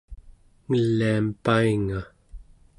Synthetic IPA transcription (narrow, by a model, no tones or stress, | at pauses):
ŋəlːiampaiŋa